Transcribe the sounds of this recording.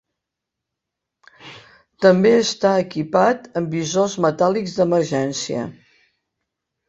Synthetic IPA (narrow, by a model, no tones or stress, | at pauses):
t̪əmbeəst̪aəkipat̪əmbizozmət̪alikzd̪əməɾʒɛnsiə̰